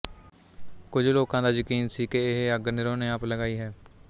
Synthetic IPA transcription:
kʊd͡ʒʱloːkãːd̪aːjəkiːnsiːkeɪɦəɡnɪɾõːneːəpləɡaːiːɦɛː

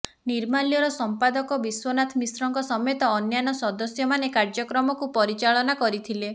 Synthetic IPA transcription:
niɾmalijɔɾɔsɔmpad̪ɔkɔbiswɔnat̪ʰmisɾɔŋkɔsɔmɔjɔt̪ɔːnjanɔsɔd̪ɔsjɔmanekaɾd͡ʒɔkɾɔmɔkupɔɾit͡ʃaɭɔnakɔɾit̪ʰile

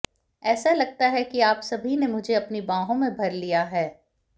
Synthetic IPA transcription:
ɛːsalɐɡ̚t̪aɦɛkiaːpsɐbʱinemʊd͡ʒʱeɐpnibãːɦõmẽbʱɐɾlijaɦɛː

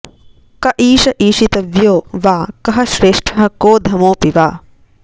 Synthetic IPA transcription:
kɐʔiːʃɐʔiːʃit̪ɐʋjoːʋaːkɐɦɐʃɾeːʂʈʰɐɦɐkoːd̪ʱɐmoːpiʋaː

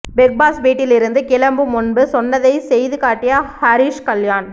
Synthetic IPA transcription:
bɛk̚baːsʋiːʈːɪlɪɾɯnd̪ɯkɪlɐmbɯmʊnbɯsɔnːɐðɐɪsɛjðɯkaːʈːɪjɐhɐɾiːʂkɐljaːn

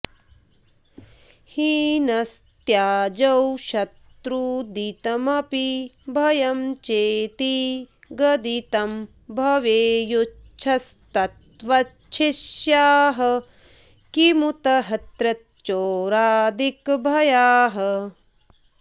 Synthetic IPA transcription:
hinɐst̪jaːd͡ʒɐwʃɐt̪ɾud̪it̪ɐmɐpibʱɐjɐmt͡ʃeːt̪iɡɐd̪it̪ɐm | bʱɐʋeːjut͡ʃʰɐst̪ɐt̪ʋɐ | t͡ʃʰiʃjaːɦɐ̆ | kimut̪ɐɦɐt̪ɾɐt̪t͡ʃoːɾaːd̪ikbʱɐjaːɦɐ

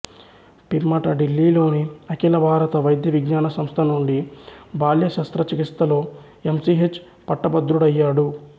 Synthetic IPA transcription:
piɾmɐʈɐɖilːiːlo̞ːniɐkilɐbʱaːɾɐt̪ɐʋɐjd̪jɐʋiɡɲaːnɐsɐmst̪ʰɐnuɳɖibʱaːljɐʃɐst̪ɾɐt͡ʃikist̪ːɐlo̞ː | emsiɦet͡ʃː | pɐʈːɐbɐd̪ɾuɽɐjːaːɽu

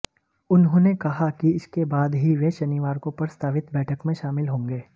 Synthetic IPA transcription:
ʊnɦõːnekɐɦakiɪskebaːd̪ɦiʋeʃɐnɪʋaːɾkopɐɾəst̪ʰaːʋɪt̪bɛːʈʰəkmẽʃaːmɪlɦõːŋɡeː

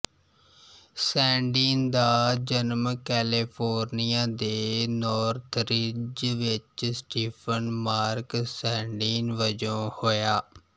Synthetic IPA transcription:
sɛːɳɖiːnd̪aːd͡ʒənmkɛːlipʰoːɾnijaːd̪eːnɔːɾt̪ʰɾid͡ʒʋɪt͡ʃsʈiːpʰənmaːɾksɛ̃ːɳɖiːnʋəd͡ʒõːhoːjaː

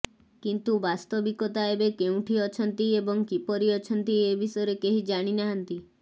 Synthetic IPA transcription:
kint̪ubast̪ɔbikɔt̪aebekeũʈʰiɔt͡ʃʰɔnt̪iebɔŋkipɔɾiɔt͡ʃʰɔnt̪iebʱisɔeɾekeɦid͡ʒaɽ̃inaɦnt̪i

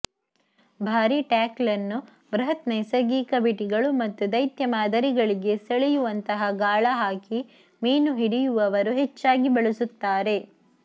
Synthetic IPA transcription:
bʱaːɾiʈaːklɐnːu | bɾɐɦɐt̪nɐjsɐɡiːkɐbiʈiɡɐɭumɐt̪ːud̪ɐjt̪jɐmaːd̪ɐɾiɡɐɭiɡe̞seɭijuʋɐnt̪ɐɦɐɡaːɭɐɦaːki | miːnuɦiɽijuʋɐʋɐɾuɦet͡ʃːaːɡibɐɭisut̪ːaːɾe̞

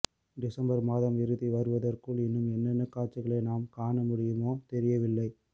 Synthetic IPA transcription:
d̪ɪsɐmbɐɾmaːðɐmɪɾɯðiʋɐɾɯʋɐðɐrkɯɭɪnːɯmɛnːɐnːɐkːaːʈ̚t͡ʃɪɣɐɭɐɪnaːmkaːɳɐmʊɽɪjɯmoːt̪ɛɾɪjɐʋɪlːɐɪ

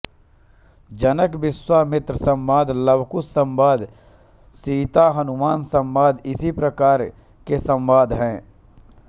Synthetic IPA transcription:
d͡ʒənəkbɪswamɪt̪ɾəsə̃mbaːd̪ʱləbkʊsːə̃mbaːd̪ | siːt̪aɦɐnʊmaːnsə̃mbaːd̪ɪsipɾəkaːɾ | kesə̃mʋaːd̪ʱɦɛ̃ː

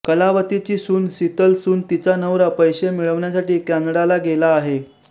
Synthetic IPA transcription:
kəlaʋət̪it͡ɕiːsuːnsit̪əlsuːnt̪it͡sanəʋɾapəjɕemiɭəʋɳjasaʈiːkanɽalaɡelaːɦe

